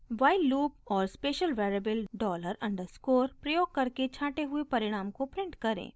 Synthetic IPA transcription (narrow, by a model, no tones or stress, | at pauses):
ʋaːɪlːuːpɔːɾspeːʃəlʋeːɾəbəlɖɔːləɾɐ̃ɳɖəɾskoːɾpɾɐjoːɡ̚kɐɾket͡ʃʰaːʈeɦʊepɐɾɪɽ̃aːmkopɾɪ̃ɳʈkɐɾḛ̃ː